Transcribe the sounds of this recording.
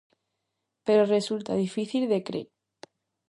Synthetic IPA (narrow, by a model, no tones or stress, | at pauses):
pe̞ɾore̞sult̪að̞ifiθilðe̞kɾḛ